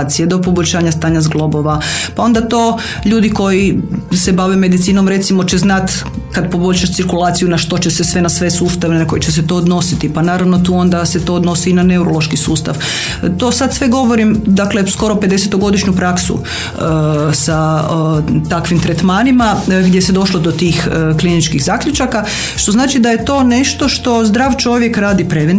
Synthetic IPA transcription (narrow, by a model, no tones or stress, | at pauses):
t̪sijed̪o̞po̞boʎʲʃaːɲast̪aːɲazɡlˠo̞bo̞ʋapao̞nd̪at̪o̞ː | ʎuːd̪iko̞jise̞baʋeme̞d̪it̪siːnomɾe̞t̪simo̞t͡ɕe̞znat̪ | kad̪po̞bo̞ʎʲʃaʃsiɾkulˠaːt̪sijunaʃt̪o̞t͡ɕe̞sesʋe̞nasʋe̞suːst̪aʋenako̞jit͡ɕes̬e̞t̪o̞ːd̪no̞sit̪ipanaːɾaʋno̞t̪uːo̞nd̪aset̪o̞od̪no̞siːnane̞uɾolˠo̞ʃkisuːst̪a̰ʋ | t̪o̞ːsad̪sʋe̞ɡo̞ʋo̞ɾimd̪akle̞sko̞ɾo̞pe̞d̪e̞set̪o̞ɡo̞d̪iʃɲupɾaksṵ | sa | t̪akʋimt̪ɾet̪maːnimaɡd̪jese̞d̪o̞ʃlod̪o̞t̪iːxklinit͡ʃkiɣzaːkʎut͡ʃaka | ʃt̪o̞znaːt͡ʃid̪aje̞t̪o̞ːne̞ʃt̪o̞ʃt̪o̞zd̪ɾaːʋt͡ʃo̞ʋjekɾaːd̪ipɾeʋen